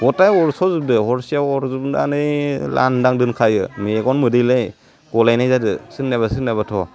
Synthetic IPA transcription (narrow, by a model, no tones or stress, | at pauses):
bɔtajɔɾsɔzɯb̚dɯhɔɾsijawɔɾzubndanɯjla̰ndaŋdɯnkʰajɯmiɡɔnmɯdɯjlɯj | ɡ̥ɔlajnajzadɯsɯŋnabasɯnabatʰɔ